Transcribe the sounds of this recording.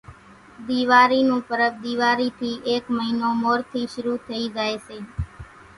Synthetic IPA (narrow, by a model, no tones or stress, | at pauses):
d̪iːʋaːɾiːnũːpəɾəʋd̪iːʋaːɾiːt̪ʰiːʔeːkməɦinõːmoːɾt̪ʰiːʃʊɾut̪ʰəid͡ʒaːeʃeː